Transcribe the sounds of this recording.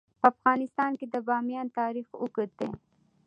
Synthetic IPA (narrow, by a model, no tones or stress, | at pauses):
pəafɣɑnɪst̪ɑnked̪əbɑmjɑnt̪ɑɾixʊkət̪̚ḛ